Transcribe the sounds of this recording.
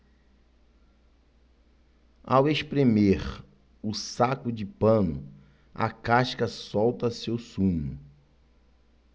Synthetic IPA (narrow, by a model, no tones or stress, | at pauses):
awespɾemeɾ | ʊsakʊd͡ʒɪpɐ̃nʊ̰ | ɐ̰kaʃkɐsɔwt̪ɐsewsũɲʊ